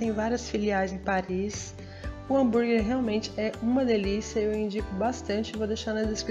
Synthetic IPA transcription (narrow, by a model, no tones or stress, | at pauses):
t̪ẽj̃vaɾiɐsfiliaɾjzẽj̃paɾis | ʊɐ̃buɾɡeɾɦeawmẽnt͡ʃɪ̥ɛũmɐd̪elisijɐewĩd͡ʒikʊbast̪ɐ̃nt͡ʃɪɪvod̪ejʃaɾnɐzd̪eskɾ